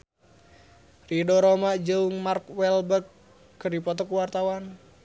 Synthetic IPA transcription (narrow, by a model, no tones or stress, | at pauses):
ridoɾomad͡ʒəuŋmarkwɛlbəkː | ɨrdipɔt̪ɔkuwart̪awan